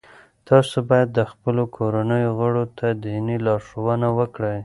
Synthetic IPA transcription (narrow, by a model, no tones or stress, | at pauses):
t̪ɑsobɑjad̪ːəxpəlokʰoɾanəjoɣəɽot̪ʰad̪inilɑɾʂowənawəkɽəj